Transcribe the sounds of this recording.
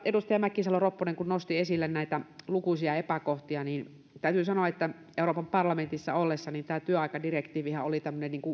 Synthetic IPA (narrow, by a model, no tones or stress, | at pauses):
edust̪ɑjɑmækːisɑloropːoneŋkunnost̪iesilːennæit̪ælukusiɑepækoht̪iɑniːn | t̪æyt̪ysɑnoɑet̪ːæ | euroːpɑmpɑrlɑment̪isːæolːesːɑniːnt̪æːt̪yøɑikɑdirekt̪iːʋihæolit̪æmːønenniːŋku